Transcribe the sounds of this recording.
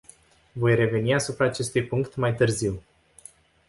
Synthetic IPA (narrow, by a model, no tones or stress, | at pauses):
vo̞jre̞ve̞niasupɾaːt͡ʃe̞st̪ujpuŋkt̪majt̪ɨrziw